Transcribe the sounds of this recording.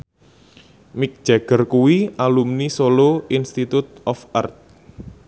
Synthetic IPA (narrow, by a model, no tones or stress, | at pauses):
mɪk̚d̥ʒ̥aɡ̥ərkuwialumnisoloinst̪it̪ut̪̚ɔfa̰rt̪̚